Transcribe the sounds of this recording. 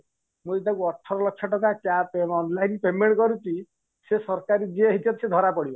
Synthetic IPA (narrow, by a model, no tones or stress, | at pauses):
muit̪akuɔʈʰɔɾɔlɔkʰːjɔʈɔk̬akapeɔnlajnpemeɳkɔɾut͡ʃi | sesɔɾkaɾid͡ʒieɦitatsed̪ʱɔɾapɔɽibɔ